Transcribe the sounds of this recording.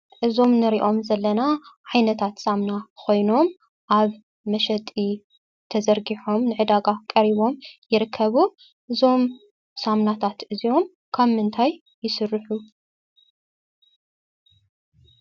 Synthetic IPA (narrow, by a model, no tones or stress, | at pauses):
ʔɨzo̞mnɨɾiʔo̞mzɐlːɐnaʕajnɐt̪ʰat̪samnakʰo̞jno̞m | ʔaβ | mɐʃɐt̪ʼːi | t̪ʰɐzɐɾɡiħo̞mnɨʕɨd̪aɡakʼɐɾiβo̞mjɪɾɨkʰːɐβu | ʔɨzo̞m | samnat̪ʰat̪ʔɨzio̞m | kʰaβmɨnt̪ʰajː | ɪsɨrːɨħu